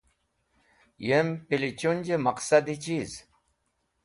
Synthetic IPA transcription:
jempilit͡ʃunʲd͡ʒemaqsad̪it͡ʃiz

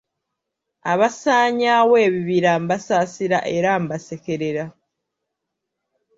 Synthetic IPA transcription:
aβasaːɲawe̞ːβiβiɾaːmbasasiɾa̰ʔe̞ɾaːmbase̞ke̞ɾeɾa

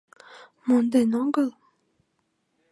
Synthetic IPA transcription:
mond̪enɑŋɡəl

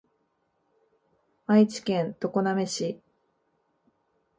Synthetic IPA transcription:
ait͡ɕi̥kẽ̞nt̪o̞ko̞name̞ɕi

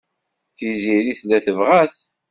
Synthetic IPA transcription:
θiziɾiθlæθəvʁæθ

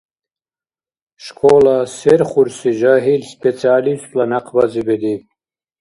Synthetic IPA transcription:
ʃkʰoːlaseɾχuɾsiʒaɦilspet͡sʰiaːlist̪lanaqʰbazibed̪i

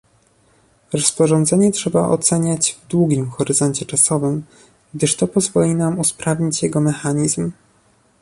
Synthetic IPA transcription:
ɾɔspɔʐɔ̃nd̪zɛɲɛtʂɛbaʔɔ̰t̪sɛɲad͡ʑvd̪wuɡʲimxɔɾɘzɔɲt͡ɕɛt͡ʂasɔvɘm | ɡd̪ɘʂt̪ɔpɔzvɔlʲinamuspɾavɲit͡ɕjɛɡɔmɛxaɲizm

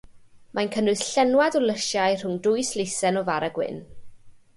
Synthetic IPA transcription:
mʔajnkʰənʊɨθɬɛnwadɔlˠəʃjajr̥ʊŋdʊɨslejsɛnɔvaɾaɡwɪ̰n

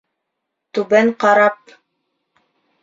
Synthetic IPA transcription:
t̪ʉbæɴqɑɾɑp̚

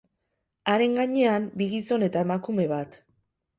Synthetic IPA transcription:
aɾe̞ŋɡaɲe̞ambiɣiso̞ne̞t̪ae̞makume̞βat̪

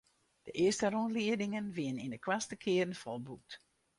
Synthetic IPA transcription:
d̥əʔɪəstərɔntliədɪŋənʋiənɪndəkwastəkʰɪərn̩fɔlˠbuk̚t

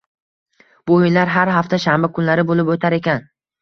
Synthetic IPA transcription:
b̥ojɪnlaɾɦaɾɦaft̪ʰaʃambakʰʊnlaɾɪbolɪpot̪ʰaɾe̞kʲan

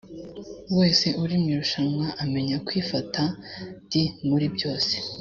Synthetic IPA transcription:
we̞ːse̞ʔuɾimŋiɾuʃamwaʔame̞ɲakwiːfatʰadimuɾibɟo̞ːse̥

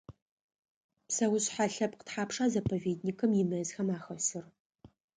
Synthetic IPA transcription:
psɐwʊɕħaɬɐp̚qə̥tħaːpʂaːzɐpʰoveːdnikʰɨmjɪmɐzxɐmaːxɐsɨr

